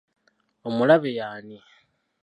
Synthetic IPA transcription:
omulaβejaːni

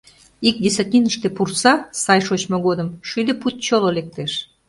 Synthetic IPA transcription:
ik̚d̪ʲesɐt̪ʲiniʃt̪epursɑsɑjʃot͡ɕmoɡod̪əmʃujd̪eput̪̚t͡ɕolˠolʲek̚t̪eʃ

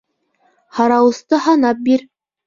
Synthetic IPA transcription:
hɑɾɑwɤ̆st̪ɤhɑnɑp̚biɾ

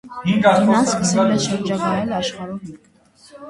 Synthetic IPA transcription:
hiŋknɑskəsɛlɛʃəɾd͡ʒɑɡɑjɛlɑʃχɑɾɔɦiŋɡ

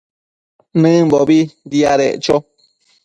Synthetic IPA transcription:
nɨ̃mbɔbidiaɾɛ̰ʔt͡ʃɔ

